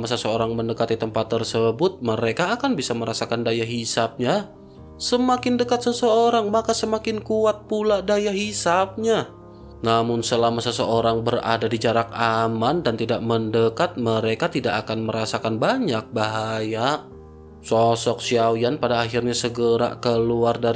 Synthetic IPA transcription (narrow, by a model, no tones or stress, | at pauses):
masəsəoɾaŋməndəkat̪it̪əmpat̪ːərsəbʊt̪̚məɾekaːkanbisaməɾasakandajaɦisap̚ɲa | səmakɪndəkat̪səsəoɾaŋmakasəmakɪnkuat̪̚puladajaɦisap̚ɲa | namʊnsəlamasəsəoɾaŋbəra̰dadid͡ʒaɾak̚amandant̪idaʔ̚məndəkat̪̚məɾekat̪idakakanməɾasakanbaɲak̚baɦaja | sɔsɔk̚siawjanpadaːxirɲasəɡəɾa̰kəluarda